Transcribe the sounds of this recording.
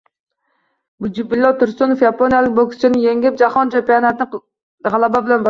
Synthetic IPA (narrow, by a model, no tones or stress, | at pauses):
bud͡ʒipilːɔt̪uɾsunufjɑponijɛlˠɪk̚ʲbokst͡ʃʰɪnɪjeŋɡʲɪp̚d͡ʒɑχɑnt͡ʃʰɛmpijɑnɛt̪ɪnɪ | ʁælˠæbɛbɪlɛnbɑ